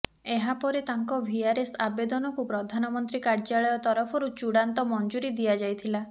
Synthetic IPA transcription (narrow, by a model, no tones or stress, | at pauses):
eɦapɔɾet̪aŋkɔbʱiaɾesabed̪ɔnɔkupɾɔd̪ʱanɔmɔnt̪ɾikaɾd͡ʒaɭɔjɔt̪ɔɾɔpʰɔɾut͡ʃuɽant̪ɔmɔnd͡ʒuɾid̪ijad͡ʒajt̪ʰila